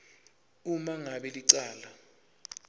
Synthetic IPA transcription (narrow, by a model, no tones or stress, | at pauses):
umaŋaɓɛliǀaːla